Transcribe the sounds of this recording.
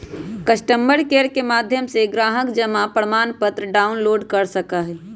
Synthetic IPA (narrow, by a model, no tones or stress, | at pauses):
kəsʈəmbəɽkeːɾkemaːd̪ʱjəmseɡɾaːɦəkd͡ʒəmapɾəmaːnpət̪ɾəɖaːʊnloːɖkəɾsəkaɦɛ